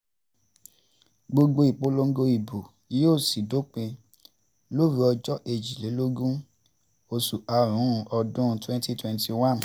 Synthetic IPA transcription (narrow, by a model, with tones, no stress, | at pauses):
ɡ͡bo˧ɡ͡bo˧i˨k͡po˨˦lo˦ŋ̩˦ɡo˧i˨bo˨˦ | oː˦˨si˨do˦k͡pẽ˧ | lo˦˨ɾu˧˦ɔ˧d͡ʒɔ˦ʔe˧d͡ʒi˨le˨˦lo˦ɡũ˦ | o˧su˨a˧ɾ̃ũ˨˦˧ʔɔ˧dũ˦˧twɛ̃˦nti˦twɛ̃˧nti˧wã˦n˨